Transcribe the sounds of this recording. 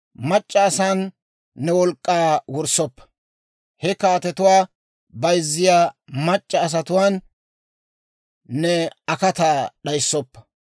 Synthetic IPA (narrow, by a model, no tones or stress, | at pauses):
mɐt͡ʃʼːɐːsaːnː | ɛwɔlkʼːaːwɔɾsːɔpːɐ̥ | hɛkaːt̪ɛt̪ʊwaː | bɐjzːɪjaːmɐt͡ʃʼːɐːs̬ɐt̪ʊwaːn | ɛɐkɐt̪aɗɐjsːɔpːɐ̥